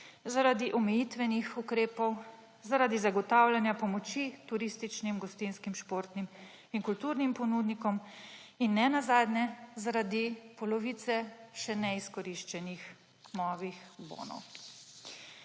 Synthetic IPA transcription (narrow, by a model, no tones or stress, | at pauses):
zaɾad̪iʔɔmɛjit̪ʋɛnixukɾeːpɔw | zaɾad̪izaɡɔt̪aːwlanjapɔmɔt͡ʃit̪uɾist̪it͡ʃnimɡɔst̪inskimʃpoːɾt̪nim | inkult̪uːɾnimpɔnuːd̪nikɔm | inːɛnazaːd̪nʲɛzaɾad̪ipɔlɔʋit̪sɛʃɛnɛiskɔɾiʃt͡ʃɛnix | nɔːʋixbo̰ːnɔ̰w